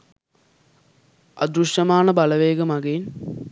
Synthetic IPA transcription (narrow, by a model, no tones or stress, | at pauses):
ɐd̪ɾuʂjɐmaːɳɐbɐlɐʋeːɡɐmɐɡen